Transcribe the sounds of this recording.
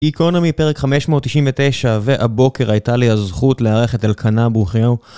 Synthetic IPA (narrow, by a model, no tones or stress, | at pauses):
iko̞namipe̞ʁekχame̞ʃmo̞ːtːiʃinvetejʃave̞ʔabo̞ke̞ʁajtaliazχutleaʁe̞χetalkʰanabuχjo